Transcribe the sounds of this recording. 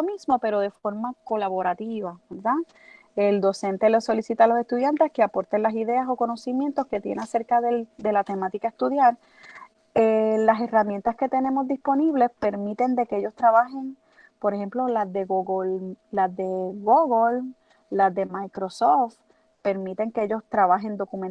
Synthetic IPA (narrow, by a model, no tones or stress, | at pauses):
omismo̞pe̞ɾo̞ðe̞fo̞ɾmako̞laβo̞ɾat̪iβabeɾða | eld̪o̞se̞nt̪elo̞sso̞lisit̪alo̞se̞st̪uðjant̪e̞skeapo̞ɾt̪enlasiðe̞aso̞ko̞no̞simje̞nt̪o̞ske̞t̪je̞̰nease̞ɾkaðeld̪e̞lat̪e̞mat̪ikae̞st̪uðjaɾ | elase̞ramje̞nt̪aske̞t̪e̞ne̞mo̞zd̪ispo̞niβle̞spe̞ɾmit̪e̞nd̪e̞keʝo̞st̪ɾaβaɦe̞ŋ | po̞ɾehe̞mplo̞lazðeɣoɣollazðe̞ɡoɣol | lazðe̞majkɾo̞soft̪ | pe̞ɾmit̪e̞ŋkeeʝo̞st̪ɾaβaɦe̞nd̪o̞kumen